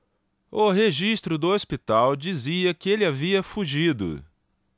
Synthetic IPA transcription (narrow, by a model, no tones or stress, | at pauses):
ʊɦeʒist̪ɾʊd̪ʊospit̪awd͡ʒiziɐkɪelɪaviɐfuʒid̪ʊ̰